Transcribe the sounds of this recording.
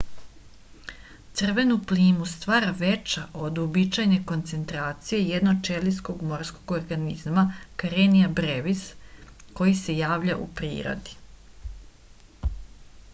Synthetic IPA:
t̪sr̩ʋe̞nupliːmust̪ʋaːɾaʋet͡ʃaʔo̞d̪obit͡ʃajne̞ko̞nt̪se̞nt̪ɾaːt̪sije̞jed̪not͡ʃelisko̞ɡmo̞ɾskoɡo̞ɾɡanizmakaɾeniabɾeʋisko̞jise̞jaːʋʎaʔṵpɾḭːɾo̞̰d̪i̥

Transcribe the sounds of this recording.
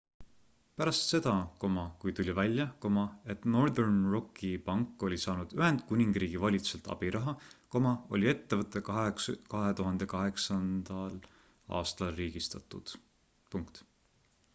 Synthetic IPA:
pæɾɑst̪se̞d̪̥ɑko̞mɑkujt̪ulʲivælʲːjɑko̞mɑe̞t̪no̞rd̪ernro̞kːˑipɑŋkːo̞lʲisɑːnud̪̥yhe̞nd̪̥̚kunʲiŋɡriːɡ̥ivɑlʲit̪u̥selt̪ˑɑ̰b̥iɾɑɦɑko̞mɑo̞̰lʲie̞t̪ːevɤt̪ːˑe̞kɑɦe̞t̪uɦɑnd̪̥e̞kɑɦe̞ksɑnd̪̥ɑl | ɑ̰ːst̪ɑlriːɡ̥ist̪ɑt̪ːˑṵd̪̥ | puŋkt̪

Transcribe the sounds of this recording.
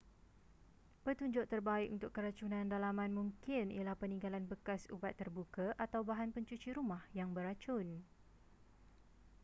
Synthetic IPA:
pərt̪uɲd͡ʒʊʔt̪ərbaɪkunt̪ʊkːəɾat͡ʃunãndalamãnmũŋkɪnḭalahpənĩŋɡalanbəkasṵbat̪ːərbukaʔat̪awbaɦanpəɲt͡ʃut͡ʃiɾumãhjaŋbəɾat͡ʃʊn

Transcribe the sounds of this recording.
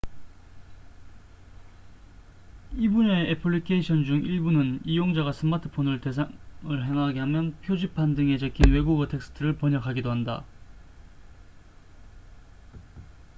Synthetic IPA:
ibuneʔːpʰɯɭːikʰeiɕʰʌnd͡ʑuŋiɭbunɯnijoŋd͡ʑaɣas͈ʰɯmatʰɯ̥pʰonɯɭtesʰɯɭɦe̞ŋɦaɡeɦamjʌnpʰjod͡ʑipʰandɯŋe̞d͡ʑekʰinwe̞ɡuɡɯtʰe̞k̚s͈ʰɯ̥tʰɯɾɯɭpʌɲʌkʰaɡidoɦanda̰

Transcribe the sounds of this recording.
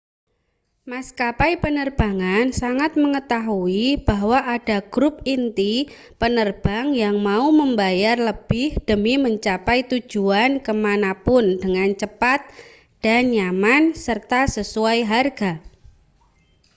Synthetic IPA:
maskapajpənərb̥aŋansaŋat̪̚məŋət̪aɦuib̥aɦwaʔad̥aɡ̥ɾʊp̚int̪i | pənərb̥aŋjaŋmauməmbajarləb̥ɪhd̥əmiməɲt͡ʃapajt̪u̥d͡ʒ̥uankəmanapʊndəŋant͡ʃəpat̪̚ | d̥anjamansərt̪asəsuajɦarɡ̥a

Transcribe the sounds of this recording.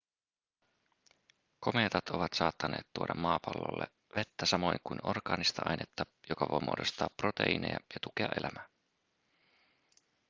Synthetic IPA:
ko̞me̞t̪ɑt̪o̞ʋɑt̪sɑːt̪ːɑne̞ːt̪t̪ːuoɾɑmːɑːpɑlːo̰lːe | ʋet̪ːæsɑmo̞jŋkujno̞rɡɑːnist̪ɑʔɑjnet̪ːɑjokɑʋo̞̰jmo̰ːdo̞st̪ɑːpːro̞t̪ḛine̞̰jɑ̰jɑt̪ukeɑ̰ʔe̞læmæ

